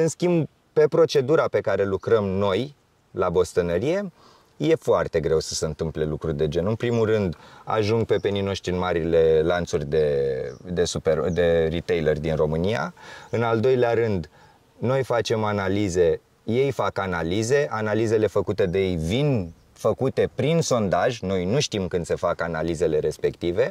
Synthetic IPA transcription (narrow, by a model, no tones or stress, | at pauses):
ɨnskʲimb | pe̞pɾo̞t͡ʃe̞d̪uɾape̞kaɾe̞lukɾəmno̞j | labo̞st̪ənəɾije̞ | je̞foart̪e̞ɡɾe̞wsə̥seɨnt̪ɨmple̞lukɾurʲd̪e̞d͡ʒe̞nɨnpɾimurɨnd̪a̰ʒuŋɡ̚pe̞pe̞nijno̞ʃt̪ɾiɨnmaɾile̞lant̪surʲd̪ed̪e̞suped̪e̞rit̪ejlerʲd̪inro̞mɨnija̰ɨnald̪o̞jleaɾɨnd̪ | no̞jfat͡ʃe̞manalize̞ | je̞jfakanalize̞ʔanalize̞le̞fəkut̪e̞d̪ejejvin | fəkut̪e̞pɾinso̞nd̪aʒno̞jnuʃt̪imkɨnd̪̥se̞fakanalize̞le̞ɾe̞spe̞kt̪ive̞